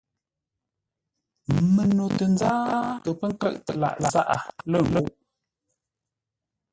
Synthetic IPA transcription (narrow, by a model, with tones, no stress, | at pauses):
mə˨no˨tə˨nzaː˦kə˨pə˦ŋ̩˦kə̰˦ʔtə˨la̰˨ʔla˨za˦ʔa̰˨lə˦˨ŋlə˦˨ʔ